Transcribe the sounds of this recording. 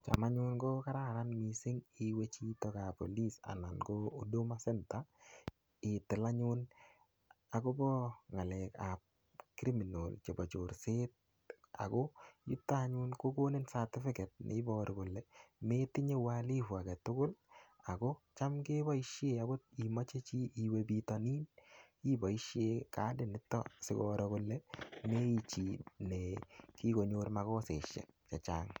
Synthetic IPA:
t͡ʃa̰˨ma˦ɲʊ˦nɡɔ˦ka˦ɾa˦ɾanmisɪ˦ŋi˨we˦t͡ʃi˦tɔ˦ka˨po̰˨li˦sa̰˨na˨nkɔodo˦masɛ˦nta | ɪtɪ˨la˦ɲʊn | a˨ko˦bɔ˦ŋa˨lɛ˨ka˨p̚ | kɾi˦mi˨nolt͡ʃe˨bɔ˨t͡ʃo˨ɾset̚ | a̰˨kɔ˦jṵ˦tːa˦ɲʊ˦nko˦ko˦ne˦nsa˨tɪ˦fɪ˦kɛ˨t̚nʔɪ̰˦bɔɾɪkʊ˨lːɛmetɪ˦ɲe˦wali˦fwa˨ɡɛ˨tʊ˦kʊ˦l | a˨ɡɔ˦t͡ʃa˦mke˦bɔ˦i˦ʃjea˨ɡo˦i˨mɔ˦t͡ʃe˦t͡ʃi˦i˨webi˨tɔni˦n | i˦bɔ˨i˦ʃjekadɪ˦nɪ˦tːɔ̰sɪ˨ɡɔɾɔkʊ˨lɛme˦i˨t͡ʃi˨neki˦ko˨ɲo˦ɾma˨kɔ˦se˨ʃɛ̰˨k̚t͡ʃa˨t͡ʃa̰ːŋ

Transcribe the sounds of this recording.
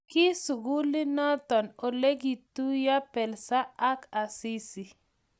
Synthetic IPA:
kɪ˦su˨ɡu˦lɪ˦nɔ˦t̪ɔ˨no˨le˦ɡi˨t̪u˦ja˦pɛ˨lsa˦a˦ka˨si˦si˨

